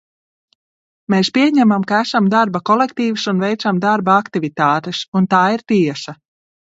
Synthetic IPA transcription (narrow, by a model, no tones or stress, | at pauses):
meːspʲiɛɲæmamkaæsamd̪aɾbakɔlˠekt̪iːvsunvɛjt̪samd̪aɾbaakt̪ivit̪aːt̪esunt̪aːiɾt̪iɛsa